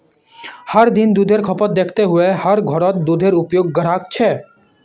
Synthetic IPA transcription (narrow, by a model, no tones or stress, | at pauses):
həɾd̪ind̪uːd̪ʱeɾkʰɔpɔt̪̚d̪eːkʰt̪eɦʊehəɾɡʱɔɾɔt̪̚d̪ud̪ʱeɾʊpjoːɡːəɾaːk̚t͡ʃʰɛː